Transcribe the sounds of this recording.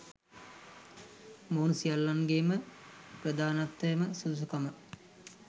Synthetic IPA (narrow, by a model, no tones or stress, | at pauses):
moːnusijalːanɡeːməprəd̪aːnat̪ʋəjəməsuus̬ukamə